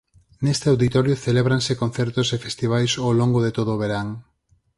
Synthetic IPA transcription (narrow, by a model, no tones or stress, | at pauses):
nest̪eawðit̪ɔɾjoθeleβɾansekon̟θɛɾt̪osefest̪iβ̞ajsowloŋɡoðet̪oðoːβ̞eɾaŋ